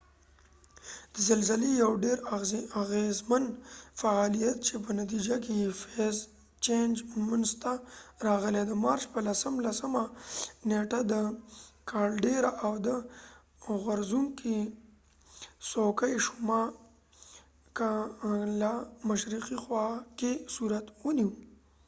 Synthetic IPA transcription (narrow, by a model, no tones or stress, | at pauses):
d̪̥əzəlzəlejawɖeɾaɣezmanfaalijat̪̚t͡ʃep̬ənat̪̬id͡ʒakejefez | t͡ʃend͡ʒmʊnzt̪aɾɑɣəled̪əmɑɾt͡ʃpəlasəmlasəmaneʈad̪əkʰɑɽɖeɾaʔawd̪ə | ɣaɾzuŋki | sokajʃʊmɑ | kalamaʃɾiqixwɑkesuɾat̪wəniw